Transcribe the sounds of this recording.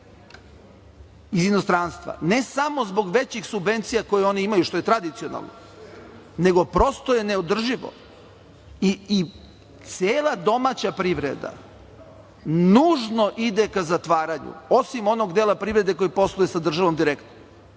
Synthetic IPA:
izinost̪ɾaːnst̪ʋa̰ne̞samo̞zbo̞ɡʋe̞t͡ɕixsubʋe̞nt̪sijako̞jeo̞niimajuʃt̪o̞je̞t̪ɾad̪it̪sijona̰lˠno̰ | ne̞ɡo̞pɾo̞st̪oje̞neod̪r̩ʒiʋo̰ | iː | t̪seːlˠad̪o̞mat͡ɕapɾiʋɾḛd̪a̰ | nuːʒno̞ʔid̪e̞kazat̪ʋaːɾaɲṵo̞simo̞no̞ɡd̪eːlˠapɾiʋvɾe̞d̪e̞ko̞jipo̞slˠujesad̪r̩ʒaʋo̞md̪iɾekt̪o

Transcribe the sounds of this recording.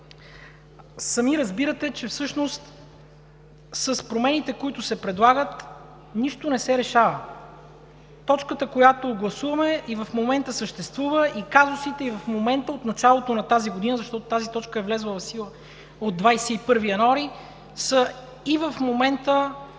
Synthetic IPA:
sɐmiɾɐzbiɾət̪ɛt͡ʃɛfsɤʃnost̪ | sɐspɾomɛnit̪ɛkoit̪ʊsɛpɾɛd̪lˠaɡət̪ | niʃt̪onɛsɛɾɛʃavə | t̪ɔt͡ʃkət̪əkojat̪oɡlˠɐsuvɐmɛʔivɐfmomɛnt̪əsəʃt̪ɛst̪vuvəʔikazʊsit̪ɛivɐfmomɛnt̪əot̪nɐt͡ʃalˠot̪onɐt̪aziɡod̪inəzɐʃt̪ɔt̪ot̪azit̪ɔt͡ʃkəɛvlɛzlˠəvɐfsilˠə | od̪ːvajsɛipɤɾvijɐnoaɾi | sə | ivəfmomɛnt̪ə

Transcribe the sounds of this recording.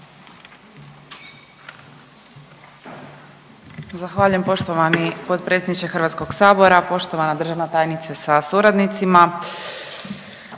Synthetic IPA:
zaxʋaːʎujempo̞ʃt̪oʋanipo̞t̪̚pɾetsʲjed̪nit͡ʃ̪exr̩ʋat̪sko̞ɡsaːbo̞ɾapo̞ʃt̪o̞ʋanad̪r̩ʒaʋnat̪aːjnit̪sasasuɾad̪nit̪sima

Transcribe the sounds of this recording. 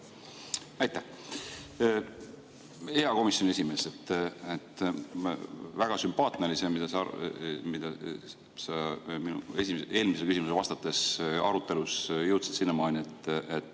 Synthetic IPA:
æɑjt̪ːæh | eɑko̞misjo̞nʲie̞sime̞ːset̪ːet̪ː | væɡ̥ɑsympɑːt̪ˑnelisemid̪̥ɑs | mid̪̥ɑ | sɑminṵe̞sʲime̞ːlmisekysimuselvɑst̪ɑt̪ːˑe̞sɑ̰ɾut̪ˑːe̞lusjɤwt̪si̥t̪sinːemɑːnʲiet̪ːet̪ː

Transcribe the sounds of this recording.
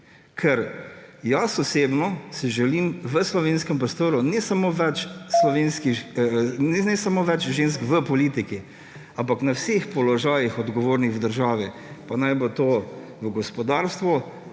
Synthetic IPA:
kʰɛɾjasɔsebnɔsiʒɛlimʋəslɔʋenskɛmpɾɔst̪oːɾunɛsamoʋɛt͡ʃslɔʋeːnskixnɛnɛsamoːʋɛt͡ʃʒens̬kʋəpɔliːt̪iki | ampaknawsexpɔlɔʒaːjixɔd̪ɡɔʋoːɾnixwd̪əɾʒaːʋɛpanajbot̪oː | ʋəɡɔspɔd̪aːɾst̪ʋɔ

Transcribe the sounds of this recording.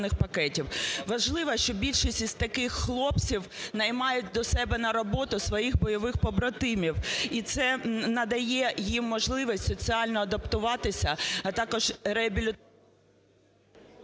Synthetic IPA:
nɪxpɐkɛtʲiwʋɐʒlˠɪʋɐʃt͡ʃɔbʲilʲʃisʲtʲiz̥ʲt̪ɐkɪxːlˠɔpt͡sʲiwnɐjmɑjʊt̚ʲd̪ɔsɛbɛnɐɾɔbɔt̪ʊsʋɔjixbɔjɔʋɪxpɔbɾɔt̪ɪmʲiwit̪sɛnɐd̪ɐjɛjimːɔʒlˠɪʋisʲtʲsɔt͡sʲiɑlʲnɔɐd̪ɐpt̪ʊʋɑt̪ɪsʲɐɐt̪ɑkɔʒreɐbʲilʲɪ

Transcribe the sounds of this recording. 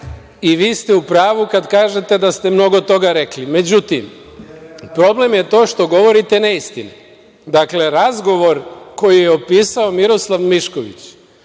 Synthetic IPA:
iʋiːst̪e̞upɾaːʋukad̪kaːʒe̞t̪e̞d̪ast̪e̞mno̞ɡo̞t̪o̞ɡaɾeklime̞d͡ʑut̪im | pɾo̞ble̞mjet̪o̞ːʃt̪o̞ɡo̞ʋo̞ɾit̪e̞neist̪ine | d̪akle̞ɾazɡo̞ʋo̞ɾko̞jijeopiːsao̞miɾo̞slˠaʋmiʃkoʋḭt͡ɕ

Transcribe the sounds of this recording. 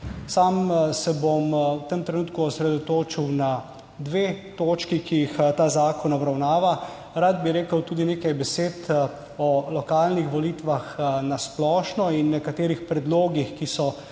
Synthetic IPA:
saːmsɛbomwt̪əmt̪ɾɛnuːt̪kuɔsɾɛd̪ɔt̪oːt͡ʃiwna | d̪ʋeːt̪oːt͡ʃkikijixt̪aːzaːkɔnɔbɾawnaːʋa | ɾad̪̚biɾeːkəwt̪uːd̪ineːkajbɛseːt̪ | ɔlɔkaːlnixʋɔliːt̪ʋaxnasplɔːʃnɔinːɛkat̪eːɾixpɾɛd̪loːɡixkisɔ

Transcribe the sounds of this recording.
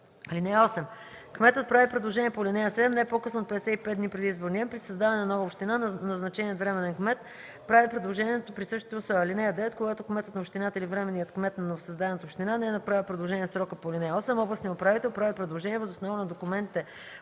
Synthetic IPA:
ɐlinɛɔsɛm | kmɛt̪ət̪̚pɾavipɾɛd̪lˠoʒɛniɛpolʲinɛjəsɛd̪ɛmnɛɛpokɤsnot̪̚pɛd̪ɛsɛipɛt̪d̪d̪nipɾɛd̪izboɾniɛmpɾisɐzd̪avɐnɛnɐnɔvəopʃt̪inannɐznɐt͡ʃɛniot̪vɾɛmɛnɛnkmɛt̪ | pɾavipɾɛd̪lˠoʒɛniɛt̪opɾisɤʃt̪i̥t̪ɛʊsɔɐlinɛɐd̪ɛot̪̚koɡat̪okmɛt̪ət̪nɐopʃt̪inat̪əilivɾɛmɛnːijət̪kmɛt̪nɐnovosɐzd̪aɛnət̪əopʃt̪inanɛnɐpɾavipɾɛd̪lˠoʒɛniɛfsɾɔkəpolʲinɛjɔsɛmɔblˠɐsniopɾavit̪ɛlˠpɾavipɾɛd̪lˠoʒɛnʲiɛvəzʊsnɔvənɐd̪okumɛnt̪it̪ɛ

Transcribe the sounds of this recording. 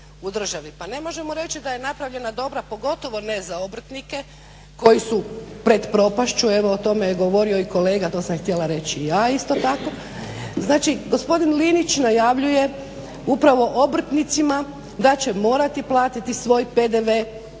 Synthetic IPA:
ud̪r̩ʒaʋipane̞mo̞ʒe̞moɾe̞t͡ʃid̪ajenapɾaʋʎe̞nad̪o̞bɾapo̞ɡo̞t̪o̞ʋo̞nezaobr̩t̪nike̞ | ko̞jisupɾe̞d̪pɾo̞paʃt͡ʃue̞ʋo̞ot̪o̞meɡo̞ʋo̞ɾio̞iko̞le̞ːɡat̪o̞ːsamxt̪jelaɾe̞t͡ɕiijaːist̪o̞t̪ako̞ | znaːt͡ʃiɡo̞spo̞d̪inlinit͡ʃnajaʋʎuje̞ | upɾaʋo̞ʔobr̩t̪nit̪sima | d̪at͡ɕe̞mo̞ːɾat̪iplˠaːt̪it̪isʋo̞ːjped̪eʋe

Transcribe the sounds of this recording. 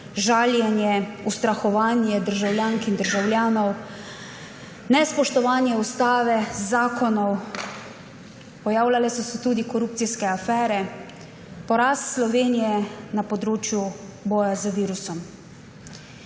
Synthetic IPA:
ʒaːljɛnjɛust̪ɾaxɔʋaːnjɛd̪əɾʒawljaːŋkind̪əɾʒawljaːnɔw | nɛspɔʃt̪ɔʋaːnjɛust̪aːʋɛzaːkɔnɔw | pɔjaːwlalɛsɔsɔt̪uːd̪ikɔɾuːpt̪siskɛafɛːɾɛ | pɔɾast̪slɔʋeːnijɛnapɔd̪ɾoːt͡ʃjubɔːjazaʋiːɾusɔm

